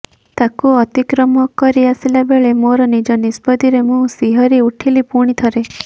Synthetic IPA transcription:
t̪akuɔt̪ikɾɔmɔkɔɾiasilabeɭemoɾɔnid͡ʒɔnispɔd̪iɾemũsiɦɔɾiuʈʰilipuɽ̃it̪ʰɔɾe

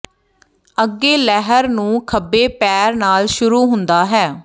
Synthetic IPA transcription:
əɡːeːlɛɦəɾnũːkʰəbːeːpɛːɾnaːlʃʊɾuːɦʊnd̪aːɦɛː

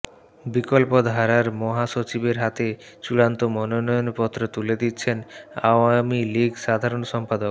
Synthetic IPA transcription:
bikɔlpod̪ʱaɾaɾmɔɦaʃot͡ɕibeɾɦat̪e | t͡ɕuɽant̪omɔnonɔjonpɔt̪ːɾot̪uled̪it̪ːɕʰena̰wamiliɡsad̪ʱaɾonsɔmpad̪ok

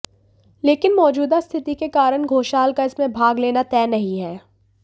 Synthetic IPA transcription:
leːkɪnmɔːd͡ʒuːd̪ast̪ʰɪt̪ikekaːɾəɽ̃ɡʱoːʃaːlkaɪsmẽbʱaːɡleːnat̪ɛːnɐɦĩɦɛː

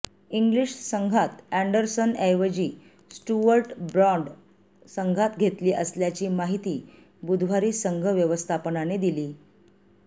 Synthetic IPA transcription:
iŋɡliʂsəŋɡʱat̪æɳɖəɾsənɛjʋəd͡ʑiː | sʈuʋəɾʈbɾɔɳɖ | səŋɡʱat̪ɡʱet̪liːʔəsljat͡ɕiːmaɦit̪iː | bud̪ʱʋ̤aɾiːsəŋɡʱəʋjəʋəst̪ʰapənaned̪iliː

